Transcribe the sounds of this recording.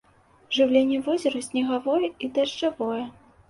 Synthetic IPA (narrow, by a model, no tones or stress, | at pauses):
ʐɨwlʲenʲːɛvɔzʲɐɾɐsʲnʲɛɣavɔjɛid̪ɐʐt͡ʂavɔjɛ